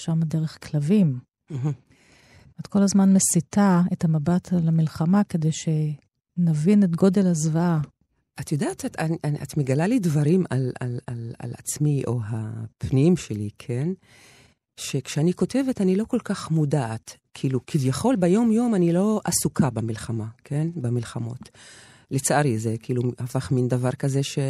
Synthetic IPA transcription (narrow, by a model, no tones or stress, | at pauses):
ʃamade̞ʁeχklavim̩ | ɦ̩ | atko̞lazmanmesitaetamabatlamilχamake̞dejʃe̞ | navine̞tɡo̞de̞lazvaa | ʔatjodeːt̪atanʔaa̰t̪meɡalalidvaʁima̰la̰la̰la̰la̰t͡smiʔo̞̰ɦa̰pniimʃelikʰe̞n | ʃe̞kʃeaniko̞te̞vetanilo̞ko̞lkaχmudaʔːt | kʰiiːlukʰivjaχo̞lbejo̞mjo̞manilo̞ʔasukʰabemilχamakʰe̞nbemilχamo̞̰t | let͡saʁizekiiluafaχmindavaʁkaze̞ʃe